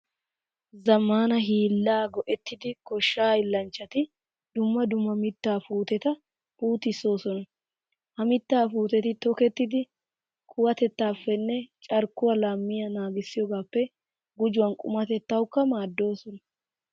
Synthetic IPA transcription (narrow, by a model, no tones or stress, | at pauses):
zɐmːaːnɐɦiːlːaːɡɔʔɛt̪ːɪd̪ɪkɔʃːaːɪlːɐnt͡ʃːɐt̪ɪ | d̪ʊmːɐd̪ʊmːɐmɪt̪ːaːfuːt̪ɛt̪ɐ | fuːt̪ɪsːo̞ːsɔnɐ | hɐmɪt̪ːaːfuːt̪ɛt̪ɪt̪ɔkɛt̪ːɪd̪ɪ | kʰʊwɐt̪ɛt̪ːaːfːɛnːɛt͡ʃʼɐɾkːʊwɐlaːmːɪjɐnaːɡɪsːɪjɔɡaːpːɛ | ɡʊd͡ʒʊwɐnkʼʊ̰mɐt̪ɛt̪ːɐwʊkːɐmaːd̪ːo̞ːsɔnɐ